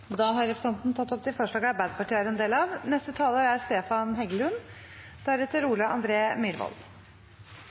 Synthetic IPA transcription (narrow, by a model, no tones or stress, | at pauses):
ɔd̪ɑːɦɑɾɛpʰɾəsɑnt̪nt̪ʰɑt̪ːɔp̚t̪ɪfoːʂɭɑːɡɑɾbæɪd̪əpɑʈiːæɾɛnd̪eːlɑʋnɛst̪ət̪ʰɑːloːɾæɾst̪eːfɑnɦɛɡəlʉn | d̪̥æɾɛt̪ːəɾuːlɑʔɑ̰nd̪ɾeːmʏɾʋɔ̰l